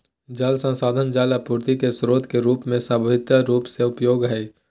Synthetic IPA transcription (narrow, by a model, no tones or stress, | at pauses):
d͡ʒalsə̃nsaːd̪ʱənd͡ʒaːlapuːɾt̪ikesɾoːt̪keɾuːpmẽsabʋɪt̪jəɾuːpseʊpjoːɡɦɛː